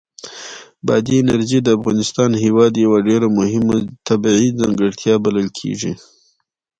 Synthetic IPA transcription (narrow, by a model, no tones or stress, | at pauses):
bɑ̰d̪iɪnaɾʒid̪əafɣɑnɪst̪ɑnhewɑd̪jawaɖeɾamʊhɪmat̪abiʕizaŋɡəɽt̪ʰjɑbaləlkʰḛʐḭ